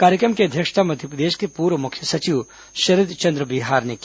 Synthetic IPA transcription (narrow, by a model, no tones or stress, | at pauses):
kaːɾjəkɾəmkeɐd̪ʱjəkʂt̪ʰamɐd̪ʱjəpɾəd̪eːʃkepuːɾʋəmʊkʰjəsɐt͡ʃiʋ | ʃɐɾid̪t͡ʃɐ̃nd̪ɾəbiɦaːɾnek